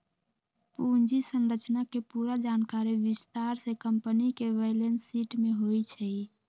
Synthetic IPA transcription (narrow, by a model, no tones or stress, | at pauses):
pund͡ʒisənɾət͡ʃnakepuɾad͡ʒankaɾiʋist̪aɾsekəmpənikeʋəlensiʈmeɦojt͡ʃʰɛj